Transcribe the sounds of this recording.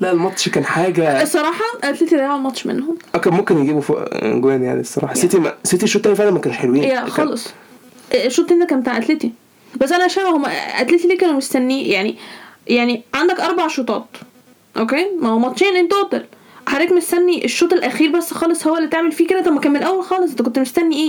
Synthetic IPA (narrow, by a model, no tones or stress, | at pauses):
læʔelmɑt̪ˤʃkæːnħaːɡæsˤːɑɾˤɑːħɑʔæt̪let̪id̪ɑjʕolmɑt̪ˤʃmḛnhomʔækæmomkenjeɡiːbofo̰ʔɡowænja̰ʕnisˤːɑɾˤɑ̰ːħɑset̪imæset̪iʃoːt̪ˤʔænifænæmækæːneʃħelowiːjæxɑːlesˤ | ʔʃːoːt̪ˤhent̪ækænmbet̪aʕʔæt̪let̪i | bæsːʔænæʃææhomːæʔæ̰t̪let̪iliːkæːnumest̪ænːiːjaʕnijaʕniʕand̪ækʔɑɾˤbaʕʃot̪ˤɑ̰ːt̪ | ʔokeːmæhomɑt̪ʃiːnʔent̪ʔot̪el | ħɑɾˤːiːkmest̪ænːiʔeʃːoːt̪ˤelʔæxiːɾbæsːxɑːlesˤhowːælːiːt̪eʕmelfiːked̪æt̪ɑmːækæːmenʔæwːælxɑːlesʔent̪ækont̪mest̪ænːiʔeː